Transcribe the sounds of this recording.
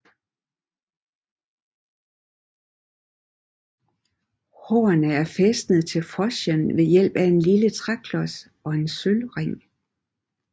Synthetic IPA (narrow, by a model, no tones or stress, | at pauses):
ho̰ːɐnəæɐfesd̥nəð̩ˠt͡sʰe̝lfɒɕənʋe̝jel̰b̥æe̝nlilət͡sʰʁakʰlɒ̽s | ɒ̽e̝nsølʁeŋ̰